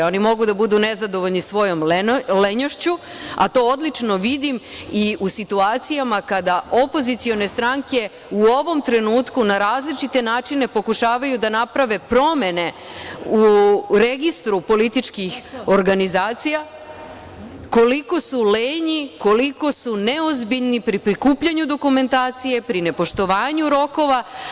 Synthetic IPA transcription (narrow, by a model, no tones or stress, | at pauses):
o̞nimo̞ɡud̪abud̪une̞zad̪o̞ʋoʎnisʋo̞jo̞meleɲoʃt͡ɕu | a̰t̪o̞ːod̪lit͡ʂno̞ʋid̪imiusit̪uaːt̪sijamakad̪aʔo̞po̞zit̪sio̞ne̞st̪ɾaŋke̞ | uoʋo̞mt̪ɾe̞nuːt̪kunaɾaːzlit͡ʃit̪e̞naːt͡ʃine̞po̞kuʃaːʋajud̪anapɾaʋe̞pɾo̞me̞ne̞ | uɾe̞ɡist̪ɾupo̞lit̪it͡ʃkixo̞ɾɡanizaːt̪sija | ko̞liko̞suleːɲiko̞liko̞sune̞o̞zbiʎnipɾipɾikuːpʎaɲud̪o̞kume̞nt̪aːt̪sije̞pɾine̞po̞ʃt̪o̞ʋaːɲuɾo̞ko̞ʋa